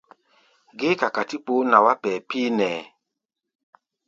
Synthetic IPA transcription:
ɡe˦ka˨ka˨ti˦k͡po˨˦na˨wa˦pɛ˨piː˦nɛː˨

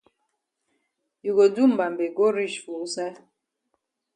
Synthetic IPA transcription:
ju˨ɡo˨du˦m̩˨ba˨mbe˨ɡo˦ɾi˦˨ʃfu˨˦sa˦

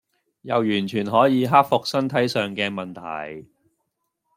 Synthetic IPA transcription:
jɐ˨wjyː˨˩nt͡ʃʰyː˨˩nɦɔː˨˥jiː˨˧ɦaː˥k̚fʊ˨k̚sɐ˥nt̪ʰɐ˨˥jsœː˨ŋkɛː˧mɐ˨nt̪ʰɐ̰˨˩j

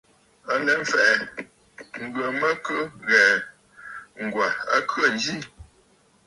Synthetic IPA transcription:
a˨lɛ˨ɱ̩˨fɛ˨ʔɛ˨ | ŋ̩˨ɡɰə˨mə˦kə˦ɣɛː˨ | ŋ̩˨ɡwa˨a̰˦kɰə˦˨n˦d͡ʒi˦

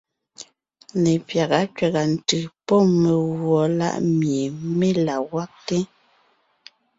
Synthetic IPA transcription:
ne˨pja˨ɣa˨˦kɥɛ˨ɣa˨n̩˨tɯ˨pɔ˦˨me˨ɣwɔ˨la̰˦ʔmje˨me˦la˨wa˦k̚te˦

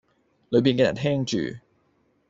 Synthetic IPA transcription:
lɵ˨˧ɥp̬iː˨nkɛ˧˥jɐ̰˨˩nt̪ʰɛː˥ŋt͡ʃy̰ː˨˩

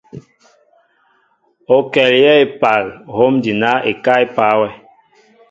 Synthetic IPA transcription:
o˨kɛ˨ljɛ˦e˦pa˨lɦo˦mdi˨na˦e˨ka˦e˦pa˨˦wɛ˦

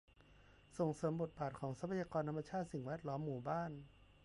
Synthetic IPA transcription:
so˨˩ŋsɤː˩˦mbo˨˩t̪̚baː˨˩t̪̚kʰɔː˩˦ŋsa˧˦˥pʰa˧jaː˧kɔː˧nt̪ʰa˧mːa˧t͡ɕʰaː˥˩t̪̚si˨˩ŋwɛː˥˩t̪̚lɔː˦˥mːuː˨˩baː˥˩n

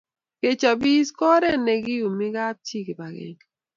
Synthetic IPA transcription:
ke˨t͡ʃa˨bi˦skɔ˦ɾɛ˦ne˨ɡi˦ju˨mɪ˦ɡa˦t̚t͡ʃi˦˨ki˨ba˨ɡɛ̰˨ŋ

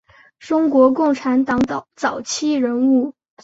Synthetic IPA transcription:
ʈ͡ʂʊ˥ŋkwɔ˧˥kʊ˥˩ŋʈ͡ʂʰa˧˥nt̪ɑ˧˥ŋ˧t͡sɑ˨˩ʊt͡ɕʰi˥˩ɻə˧˥nu˥˩

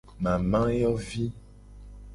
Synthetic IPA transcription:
mã˨mã˦jɔ˦vi˦

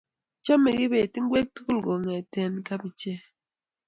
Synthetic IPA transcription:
t͡ʃɔ˦me˨ɡi˦be˨ti˦ŋ˦ɡwe˦k̚tu˦ku˦lɡo˨ŋɛ˨tɛ˦˨nka˦bi˦t͡ʃe˦

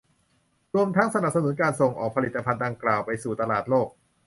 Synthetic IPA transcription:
ɾu˧əmt̪ʰa˦˥ŋsa˧na˨˩p̚sa˧nu˨˩˦nkaː˧nso˨˩ŋʔɔː˨˩k̚pʰa˧li˨˩t̪ːa˧pʰa˧ndaː˧ŋklaː˨˩wpa˧jsuː˨˩t̪a˧laː˨˩t̪̚loː˥˩k̚

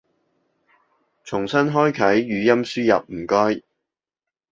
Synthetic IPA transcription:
t͡sʰʊ˨˩ŋsɐ˥nɦɔː˥jkʰɐ˨˥jːyː˨˧jɐ˥msyː˥jɐ̰˨p̚m̩˨˩kɔː˥j

